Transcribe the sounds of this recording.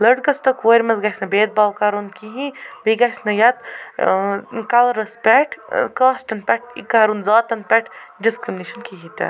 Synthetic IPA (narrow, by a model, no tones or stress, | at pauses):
lɐɖ̚ɡɐst̪ɐkoɾʲmɐzɡasʲnɐbeːd̪̚baːwkaːɾunkiɦĩbiɡasʲnɐjaːt̪ | kalɾɐspʲɛʈʰkaːsʈɐnpʲɛʈ̚ʰḭkaːɾunzaːt̪ɐnpʲɛʈʰɖiskɾimniʃɐnkiɦit̪ɐ̰